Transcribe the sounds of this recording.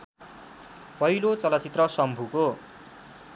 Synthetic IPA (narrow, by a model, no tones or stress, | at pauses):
pʌilot͡sʌlʌt͡sit̪rʌsʌmbʱuko